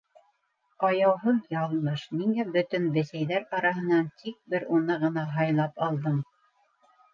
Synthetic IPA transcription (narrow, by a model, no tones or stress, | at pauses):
ɑjɑwɦɤðjɑlˠmɤʃmiŋæbɵ̆t̪ɵnbɘ̆sæjðæɾɑɾɑɦɤ̆nɑnt̪ʰik̚bɘɾunɤʁɤ̆nɑɦɑjlˠɑpɑlˠd̪ɤɴ